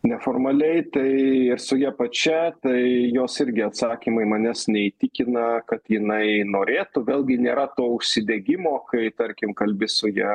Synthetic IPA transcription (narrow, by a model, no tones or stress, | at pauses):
nʲɛfoːrmɐlʲɛɪt̪ɐɪɪɾsʊjɛpɐt͡ʃʲɛt̪ɐɪjoːsɪɾʲɡʲɪɐt̪sɑːkʲiːmɐɪmɐnʲɛsnʲɛit̪ʲɪkʲɪnɐkɐt̪jɪnɐɪnoːɾʲeːt̪ʊʋʲeːlˠʲɡʲɪnʲeːɾɐt̪oːʊʃʲsʲɪd̪ʲeɡʲɪmoːkɐɪt̪ɐɾʲkʲɪmkɐlʲbʲɪsʊjɛ